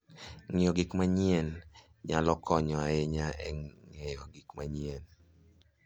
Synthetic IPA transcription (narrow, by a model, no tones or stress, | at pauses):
ŋijɔɡikmaɲien | ɲalɔkʰɔɲɔaeɲaɛŋɛjɔɡikmaɲien